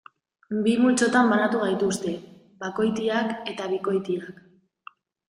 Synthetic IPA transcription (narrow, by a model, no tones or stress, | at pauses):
bimult͡so̞t̪ambanat̪uɣ̞ajt̪ust̪e̞ | bako̞jt̪̬iake̞t̪aβiko̞jt̪iak